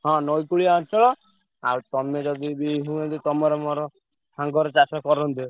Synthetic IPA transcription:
ɦɔ̃nɔjkuɭiaɔt͡ʃʰɔɭɔ | a̰ɾt̪ɔmed͡ʒɔd̪ibiɦũẽd̪it̪ɔmɔɾɔmɔɾɔ | saŋɡɔɾɔt͡ʃasakɔɾɔnt̪i

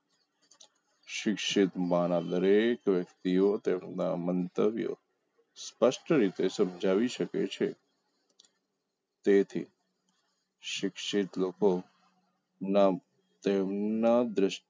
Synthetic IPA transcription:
ʃɪkʃɪt̪manad̪əɾekʋjəkt̪iot̪emna̰mənt̪əbjo̰ | spəʃʈʰəɾit̪esəmd͡ʒʱaʋiʃəkḛt͡ʃʰe | t̪et̪ʰḭ | ʃɪkʃɪt̪loko | na | t̪emnad̪ɾəʃ

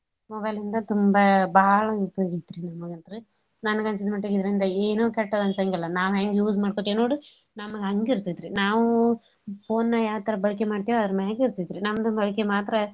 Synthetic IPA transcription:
mɔbɐjlind̪ɐt̪umbɐbɐːɐɭɐupːjoːɡid̪iɾinɐmɐɡɐnt̪ɾɯ | nɐnɐɡɐnsid̪mɐʈːeɡid̪ɾɐind̪ɐeːnoːkɛʈːɐd̪ɐnsɐŋɡɐlːɐnaːʋɦeŋɡejuːsmaːɽkot̪eːnoːɽu | nɐmɐɡɐɐŋɡiɾt̪id̪ɾinaːʋu | poːnːɐjaːʋt̪ɐɾɐbɐɭik̬emaːɽt̪ijoɐd̪ɐɾɐmeːɡiɾt̪id̪ɾinɐmɐd̪ɐbɐɭikemaːt̪ɾɐ

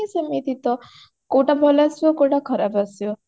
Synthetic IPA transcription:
isɔmit̪it̪ɔ | koʈabʱɔlasjokoʈakʰɔɾabasjo

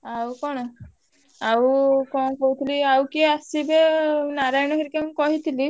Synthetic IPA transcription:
awkɔɽ̃ɔ | awkɔkoɦut̪ʰiliawkieasibenaɾajɽ̃ɔɦiɾikemkɔɦit̪ʰili

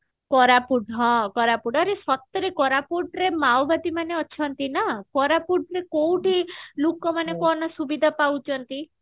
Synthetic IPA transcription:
kɔɾapuɖʱɦɔ̃kɔɾapuɖaɾesɔt̪ɾekɔɾapuɖɾemawbad̪imaneɔt͡ʃʰɔnt̪inakɔɾapuɖɾekowʈilukɔmanekɔnasubid̪ʱapawt͡ʃʰɔnt̪i

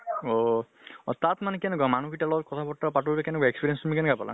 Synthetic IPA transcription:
ɔ | ɔt̪at̪manɛkɛnɛk̬amanukʰiʈalɔɔt̚kɔt̪ʰapɔʈːapatubɛkɛnɛkaekspiɾiɛnstumikanɛɡapala̰ŋ

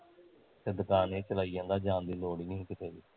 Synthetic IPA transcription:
sɪd̪ʱkaːnẽːt͡ʃəlaːijãːd̪aːd͡ʒãːnd̪iːloːɽiːnəɦĩːkɪt̪eːd̪iː

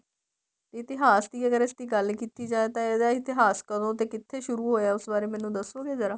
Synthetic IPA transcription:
t̪eɪt̪ɪɦaːsd̪iːəɡəɾɪsd̪iːɡəlkiːt̪iːd͡ʒaːeːt̪ãːed̪aːɪt̪ɪɦaːskəɾõːt̪̬eːkɪt̪ʰːeːʃʊɾuːɦoːjaːʊsbaːɾeːmɛ̃ːnũːd̪əsoːɡeːzəɾaː

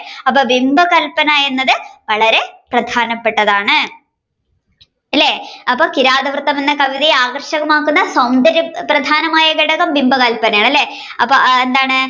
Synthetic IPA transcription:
ɐpːoːbimbɐkɐlpɐnɐje̞nːɐðɨʋɐɭɐɾe̞prɐd̪ʱaːnɐpːe̞ʈːɐðaːɳɨ | ɐlːeːɐpːoːkiɾaːd̪ɐʋrt̪ːɐmenːɐkɐʋiðijaːɡɐrɕɐɣɐmaːkːunːɐsɐwnd̪ɐɾjɐprɐd̪ʱaːnɐmaːjɐɡiɽɐɣɐmbimbɐɣɐlpɐnɐjaːɳɐlːe̞ː | ɐpːoend̪aːɳɨ

